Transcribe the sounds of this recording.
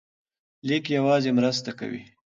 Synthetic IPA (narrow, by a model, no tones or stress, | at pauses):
likjawɑzemɾəst̪aka̰wḭ